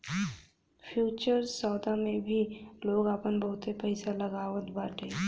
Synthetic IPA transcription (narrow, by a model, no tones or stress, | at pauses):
pʰjuːt͡ʃəɾsɔːd̪amẽbʱiloːɡaːpənbəɦʊt̪epɛɪsaləɡaːʋət̪baːʈeː